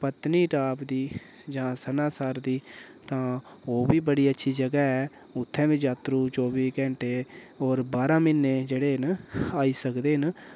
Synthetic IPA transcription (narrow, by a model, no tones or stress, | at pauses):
pət̪niːʈaːpd̪iː | d͡ʒãːsənãːsaːɾd̪iː | t̪ãː | oːbiːbəɽiːətːʃʰiːd͡ʒəɡaːɛː | ʊt̪ʰːɛ̃ːbɪd͡ʒaːt̪ɾuːt͡ʃɔːbiːkɛ̃ːɳʈeː | oːɾbaːɾãːmɪnːeːd͡ʒeːɽeːnaːiːsəkd̪eːɦən